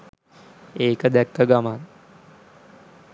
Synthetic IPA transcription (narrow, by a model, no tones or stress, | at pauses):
eːkəd̪ɛkːəɡaman